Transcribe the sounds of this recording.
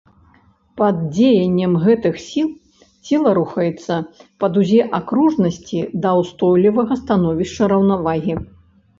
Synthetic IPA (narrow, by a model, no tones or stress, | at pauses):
pɐd̪d͡zʲejɐnʲːɛmɣɛt̪ɨxsʲilˠ | t͡sʲilˠɐɾuxɐjɛt̪sːɐpɐd̪uzʲɛʔakɾuʐnɐsʲt͡sʲid̪ɐwst̪ɔjlʲivɐɣɐst̪anɔvʲiʂt͡ʂɐɾɐwnavaɣʲi